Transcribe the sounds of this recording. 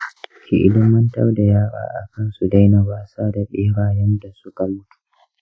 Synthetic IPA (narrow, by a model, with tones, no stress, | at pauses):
kʲi˨ʔɪ̰˦lɪ˦mɐ˦ntɐ̰˦rda˨jaː˦ɾa̰ː˨˦ʔa̰˨kɐ˦nsu˨da˦jnɐ˨baː˦saː˦da˨ɓeː˦ɽaː˨jɛ˦nda˨sʊ˦ka˨mʊ˦tu̥˨˦